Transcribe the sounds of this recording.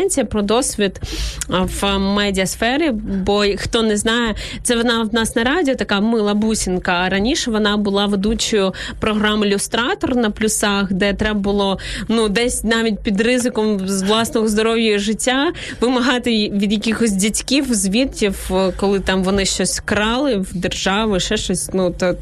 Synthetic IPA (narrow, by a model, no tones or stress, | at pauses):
nʲt͡sʲijɐpɾɔd̪ɔsʲʋʲit̪ | ʋmɛdʲiɐsfɛɾʲibɔxt̪ɔnɛznɑjɛt̪sɛʋɔnɑwnɑsnɐɾɑdʲiɔt̪ɐkɑmɪlˠɐbusʲinkɐːɾɐnʲiʃɛʋɔnɑbʊlˠɑʋed̪ut͡ʃɔjʊ | pɾɔɦɾɑmɪlʲʊst̪ɾɑt̪ɔrnɐplʲʊsɑxd̪ɛt̪ɾɛbɐbʊlˠɔnud̪ɛsʲnɑʋʲit̚ʲpʲid̪rɪzɪkɔmzʋlˠɑsnɔɣɔzd̪ɔɾɔʋjɐjiʒɪtʲːa | ʋɪmɐɦɑt̪ɪʋʲid̪jɐkʲixɔsʲdʲitʲkʲiwzʲʋʲit̪kʲiwkɔlˠɪt̪ɑmʋɔnɪʃt͡ʃɔsʲkɾɑlˠɪwd̪erʒɑʋɪʃɛʃt͡ʃɔsʲnut̪ɔ